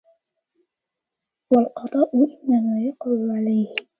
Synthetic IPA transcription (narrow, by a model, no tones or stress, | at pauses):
walqɑd̪ˤɑːʔʊʔɪnːamaːjɑqʊlʊʕalajh